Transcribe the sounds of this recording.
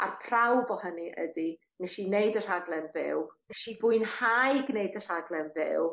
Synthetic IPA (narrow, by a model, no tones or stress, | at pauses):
a̰rpʰrawvɔhəniʔə̰di | nɛʃineɨdər̥aɡlˠɛnvɪ̰wnɛʃibʊɨnhajɡneɨdər̥aɡlˠɛnvɪ̰w